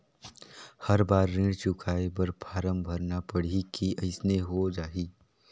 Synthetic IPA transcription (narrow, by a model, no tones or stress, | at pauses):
hɐɾbaːɾːɪ̃ɽt͡ʃʊkʰaːebəɾpʰaːɾəmbʱəɾnapəɽ̤ikiʔɐɪsneɦod͡ʒaːiː